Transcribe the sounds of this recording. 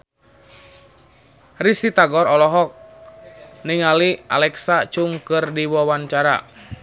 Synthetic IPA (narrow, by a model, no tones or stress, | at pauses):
risit̪aɡɔɾɔlɔɦɔk̚ | niŋaliʔa̰lɛksat͡ʃuŋkɨrdiwɔwaɲt͡ʃaɾa̰